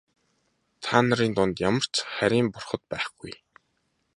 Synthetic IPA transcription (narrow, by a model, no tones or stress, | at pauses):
t̪ʰaːnə̆ɾiːnt̪ʊnt̪jamə̆r̥t͡sχæɾʲiːmpʊrχə̆t̪̚pæːχɡ̥uj